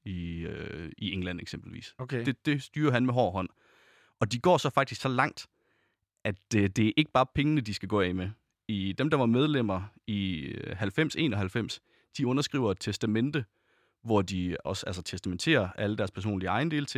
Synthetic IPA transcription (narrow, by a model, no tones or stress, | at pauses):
iøieŋlæn̰eɡ̥semb̥l̩ʋḭːsd̥ed̥e̝sd̥yːɐɦænmeɦɒ̰ːɦɒ̽n̰ | ɒ̽d̥iɡ̥ɒ̰ːsɒ̽fɑ̈ɡ̥̚d̥isɡ̥sɒ̽lɑ̈ŋ̰d̥ | ʔæd̥d̥e̝æɐʔe̝ɡ̥əb̥ɑ̈ːpʰeŋənəd̥isɡ̥æɡ̥ɔ̰̽ːɛ̰me | id̥emd̥ɑ̈ʋɑ̈með̞ˠlem̰ɐiɦælfem̰se̝̰ːnɒ̽ɦælfem̰s | d̥iɔ̽nɐsɡ̥ʁḭːʊɐt͡sʰesd̥æmen̰d̥ə | ʋɒd̥iɒ̽sælsɐt͡sʰesd̥æment͡sʰe̝̰ːɐʔæləd̥æɐspʰæɐs̬o̰ːnliəɑ̈ɪnde̝̰ːlt͡sʰe